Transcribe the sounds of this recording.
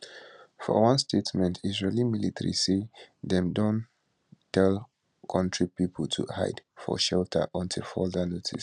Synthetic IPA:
fɔ̰wʌ̃nstʰetmɛ̃ntʰiʒalimilitəɹḭseðɛ̃mdõn | tɛl | kʰʌ̃ntʰɹipipʰəl̩tʰṵha̰ɪd̥fɔ̰ʃɛltʰə̰ʔɔ̃ntʰilfɔldənotʰḭs

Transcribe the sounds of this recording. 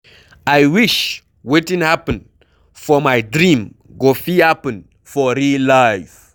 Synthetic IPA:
ajwiʃ | wetĩnhapə̃n | fɔmajdɾĩm | ɡofihapə̃n | fɔɾilajf

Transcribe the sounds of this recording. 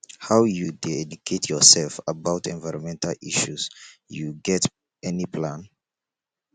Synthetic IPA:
hawjudeɛdukʰetʰjɔsɛlfəbaʊtʰɛ̰̃nvaɪɹɔ̃nmɛ̃ntʰaliʃusjuɡɛt | ɛnipʰlãn

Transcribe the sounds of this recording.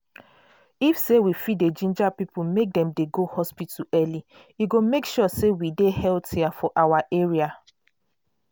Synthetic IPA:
ifsewifided͡ʒĩnd͡ʒapipumek̚dɛ̃mdeɡohɔspituɛli | iɡomekʃɔsewidehɛltʰiafɔʔawaʔeɹia

